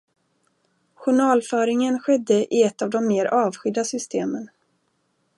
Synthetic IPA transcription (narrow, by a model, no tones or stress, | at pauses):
ɧʊɳɑːlfœːɾɪŋənɧɛd̪ːəʔɪɛt̪ːɑvd̪ɔmːeːɾɑːvɧʏd̪ːasʏst̪ʰeːmən